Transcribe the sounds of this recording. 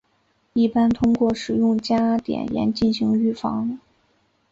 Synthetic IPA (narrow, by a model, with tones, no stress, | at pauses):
i˥˩pa˥nt̪ʰʊ˥ŋkwɔ˥˩ʂɻ̩˨˩jʊ˥˩ŋt͡ɕja˥t̪jɛ̰˨˩njɛ̰˧˥nt͡ɕi˥˩nɕi˧˥ŋy˥˩fɑ˧˥ŋ